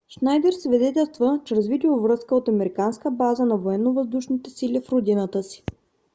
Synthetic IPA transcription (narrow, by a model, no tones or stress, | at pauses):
ʃnajd̪ɛɾsvid̪ɛt̪ɛlˠst̪vət͡ʃɛɾəzvit̪ilovɾɤskəot̪ɐmɛɾikanskəbazənɐvoɛnːovəzd̪uʃnit̪ɛsilifɾod̪inət̪əsi̥